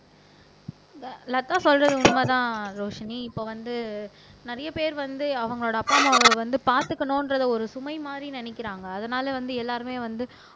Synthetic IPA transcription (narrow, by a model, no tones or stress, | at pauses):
ɐlɐt̪ːaːsɔlrɐðɯʊnʋaːt̪ãːɾoːʂɐniɪpːoːʋɐnd̪ɯ | nɪɾɐjɐpeːɾʋɐnd̪ɯɐʋɐŋɡɐɭoːɽɐɐpːaːmɐʋɐnd̪ɯpaːɾt̪ɯkːɐnõːɪnɾɐðɐɔɾɯsʊmɐɪmaːd̪ɾinɐnɪkːɪɾaːŋɡɐːðɐnaːlɐʋɐnd̪ɯɛlːaːɾɯmeːʋɐnd̪ɯ